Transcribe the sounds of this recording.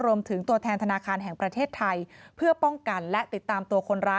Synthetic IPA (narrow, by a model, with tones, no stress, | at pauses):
ɾu˧əmt̪ʰɯ˩˦ŋt̪u˧ət̪ʰɛː˧nt̪ʰa˧naː˧kʰaː˧nɦɛ˨˩ŋpɾa˧t̪ʰeː˥˩t̪ʰːa˧jpʰɯ˥˩ɐpɔ˥˩ŋka˧nlɛ˦˥t̪i˨˩t̪ːaː˧mt̪u˧ɐkʰo˧nɾaː˦˥